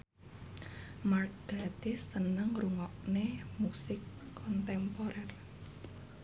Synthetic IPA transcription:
mark̚ɡ̥at̪isənəŋruŋɔʔnemusɪkʰːɔnt̪ɛmpoɾɛr

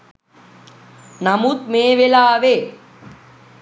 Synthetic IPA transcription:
namut̪̚meːʋelaːʋe

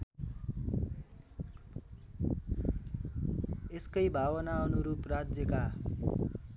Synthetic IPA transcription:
eskʌjbʱawʌnaʌnuɾuprad͡zjʌka

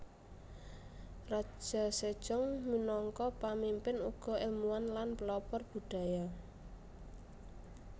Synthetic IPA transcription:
rḁʒ̥a̤sed̥ʒ̥ɔŋminɔŋkɔpamimpɪnuɡ̥ɔ̤ɪlmuanlanpəlɔpɔrb̥ṳɖ̥ä̤ja

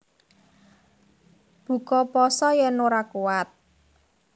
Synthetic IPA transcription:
b̥ṳkɔpɔsɔjɛnoɾakuwat̪̚

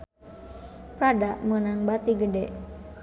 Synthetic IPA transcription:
pɾadaʔmənaŋbat̪iɡədɛʔ

